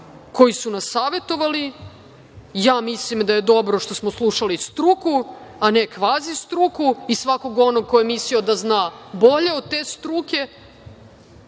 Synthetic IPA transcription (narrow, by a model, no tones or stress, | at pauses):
ko̞jisunasːaːʋe̞t̪o̞ʋali | jaːmislimd̪aje̞d̪o̞bɾo̞ʃt̪o̞smoslˠuʃalist̪ɾukuane̞kʋaːzist̪ɾukuisʋako̞ɡo̞no̞ɡ̚ko̞jemislio̞d̪aznaːbo̞ʎe̞od̪̚t̪eːst̪ɾukʲe̞